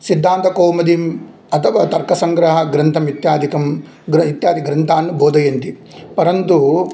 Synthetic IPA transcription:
sid̪ʱːaːnt̪ɐkoːmɐd̪im | ɐt̪ʰɐʋɐt̪ɐɾkɐsɐŋɡɾɐɦɐɡɾɐnt̪ʰɐmit̪jaːd̪ʱikɐm | ɡɾit̪jaːd̪iɡɾɐnt̪ʰaːnːuboːd̪ɐjɐnt̪i | pɐɾɐnt̪u

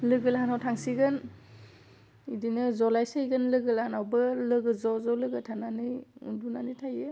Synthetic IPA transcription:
lɯɡɯlɦanawtʰaŋsiɡɯn | idinɯzɔlajsajɡɯnlɯɡɯlanawbɯlɯɡɯzɔzɔlɯɡɯtʰananɯjṵdunanɯtʰaje

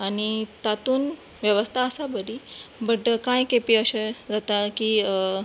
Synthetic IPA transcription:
añit̪at̪uːnʋjəʋəst̪ʰaəsabəd̪ibəʈkãjkepiəɕed͡zat̪aki

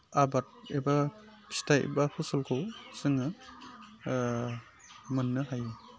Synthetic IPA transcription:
abat̚eba | kʰi̥staḛbahʰusɔlkʰɯwsɯŋɯ | mɯnːɯɦajɯ

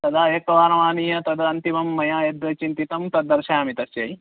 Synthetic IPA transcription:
t̪ɐd̪aːjɐkɐʋaːnɐʋaːnijɐt̪ɐd̪ɐɐnt̪imɐmːɐjaːjɐd̪ɐt͡ʃint̪it̪ɐmt̪ɐd̪ːɐɾʃaːmit̪ɐsjɐj

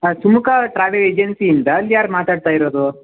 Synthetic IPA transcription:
sumukʰɐʈɾaːʋeleːd͡ʒensiːnd̪ɐːlːjaːɾmaːt̪aːɖ̚t̪aːjiɾoːd̪u

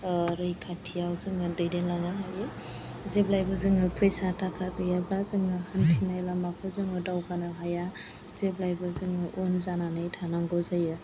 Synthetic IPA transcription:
ɾɯjkʰatʰijawzɯŋɯdɯjdenlanaɦajɯ | zeblajbɯzɯŋɯpʰejsatakʰaɡɯjabazɯŋɯhantʰinajlamakʰɯzɯŋɯdawkanɯɦaja | zeblajbɯzɯŋɯʔonzananɯjtʰanaŋɡɔzajɯ

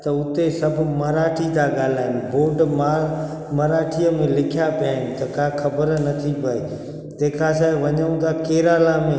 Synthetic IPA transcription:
t̪ɐʊt̪esɐbʱmɐɾaːʈʰid̪aɡaːl̤aːɦɪnboːɖma | mɐɾaːʈʰijəmẽlɪkʰjapʰjaːɦɪnɪ̆t̪ɐkãxɐbəɾnɐt̪ʰipɐeː | t̪eːkʰasaːʋɐɲəũnd̪akeːɾaːlamẽ

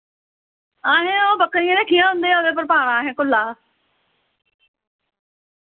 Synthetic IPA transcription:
aːɦẽːõːbəkɾijãːneːkʰijãːɦʊ̃nd̪eːãːdeːp̬əɾpaːɽãːɦẽːkʊlːaː

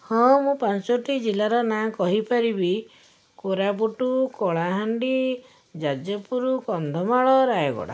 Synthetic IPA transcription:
hɔ̃mũpansoʈid͡ʒilaɾɔnakɔɦipaɾibi | koɾap̬uʈukɔɭaɦaɳɖi | d͡ʒad͡ʒjɔpuɾukɔnd̪ʱɔmaɭɔɾajɔɡɔ̰ɽa̰

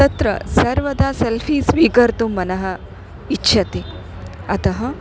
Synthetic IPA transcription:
ɐt̪ɾɐ̰sɐɾʋɐd̪aːselfʰiːsʋiːkɐɾt̪umːɐnɐɦɐ | itːʃʰɐt̪e | ɐt̪ɐɦɐ

